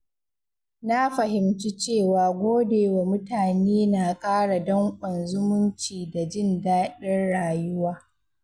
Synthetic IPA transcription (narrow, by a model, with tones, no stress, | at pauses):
na˦ɸɐ˨ɦɪ˨mt͡ʃi˦t͡ʃeː˦˨waː˨ɡʷoː˦deː˨wa˨mʊ˦taː˨neː˦na˨kʼaː˦ɽa˨dɔ˦ŋkʷʼɐ˨nzʊ˦mʊ˦nt͡ʃiː˨da˨d͡ʒɪ˦ndaː˦ɗɪ˦rɽaː˨jʊ˦waː˦